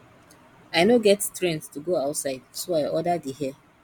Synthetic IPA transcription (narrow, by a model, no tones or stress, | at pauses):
aɪnoɡɛttɹɛ̃nstuɡoaʊtsaɪd̚soaɪʔɔdadiɦɛ